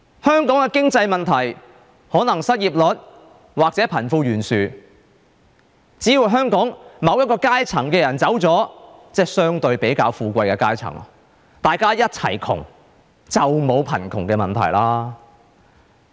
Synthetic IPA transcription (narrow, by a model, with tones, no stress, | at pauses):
hœː˥ŋkɔː˨˥ŋkɛ˧kɪ˥ŋt͡sɐ˧jmɐ˨nt̪ʰɐ˨˩j | hɔː˨˥nɐ˨˩ŋsɐ˥t̚jiː˨p̚lɔ˨˥t̚ | waː˨k̚t͡sɛː˨˥pʰɐ˨˩nfuː˧ɥyː˨˩nsyː˨˩ | t͡siː˨˥jiː˨˩wɦœː˥ŋkɔː˨˥ŋmɐ˨˧wjɐ˥kɔː˧kaː˥jt͡sʰɐ˨˩ŋkɛː˧jɐ˨˩nt͡sɐ˨˥wt͡sɔː˨˥t͡sɛː˥sœː˥ŋt̪ɵ˧ɥpe˨˥jkaː˧wfuː˧kʷɐ˧jkɛː˧kaː˥jt͡sʰɐ̰˨˩ŋ | t̪aː˨jkaː˥jɐ˥t̚t͡sʰɐ̰˨˩jkʰʊ̰˨˩ŋ | t͡sɐ˨wmo˨˧wpʰɐ̰˨˩nkʰʊ˨˩ŋkɛː˧mɐ˨nt̪ʰɐ̰˨˩jlaː˥